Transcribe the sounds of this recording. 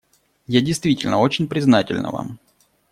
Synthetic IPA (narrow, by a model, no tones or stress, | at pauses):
jadʲɪjst̪vʲitʲɪlʲnəo̞t͡ɕɪnʲpɾʲɪznatʲɪ̰lʲnə̰va̰m